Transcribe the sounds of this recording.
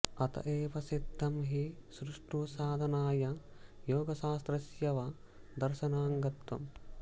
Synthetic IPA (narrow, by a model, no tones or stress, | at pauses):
ɐt̪ɐ̰ʔeːpɐsid̪ʱːɐmɦisɾuʂʈusaːd̪ʱɐnaːjɐjoːɡɐʃaːst̪ɾɐsjɐʋɐ | d̪ɐɾʃɐnaːŋɡɐt̪ʋɐ̰m